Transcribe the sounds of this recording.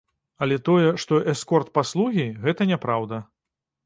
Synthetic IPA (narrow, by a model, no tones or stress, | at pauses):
ɐlʲɛt̪ɔjɛʂt̪ɔʔɛskɔrt̪̚paslˠuɣʲiɣɛt̪ɐnʲɛpɾawd̪ɐ